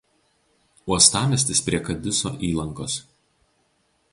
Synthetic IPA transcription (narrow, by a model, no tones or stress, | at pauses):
uɔst̪ɑːmʲɛsʲt̪ʲɪspʲɾʲiɛkɐd̪ʲɪso̰ːʔiːlˠɐŋkoːs